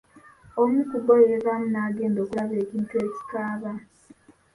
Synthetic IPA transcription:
omikubojeβamunaːɡeːndo̞ːkulaβeːkintweːci̥kaːβa

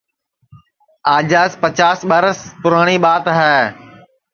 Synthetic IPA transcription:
aːd͡ʒaːspət͡ʃaːsɓəɾəspʊɾaːɽ̃iːɓaːt̪ɦɛː

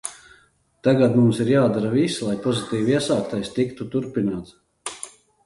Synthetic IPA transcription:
t̪aɡad̪mumsiɾjaːd̪aɾvislˠajpɔzit̪iːviɛsaːkt̪ajst̪ikt̪ut̪uɾpinaːt̪s

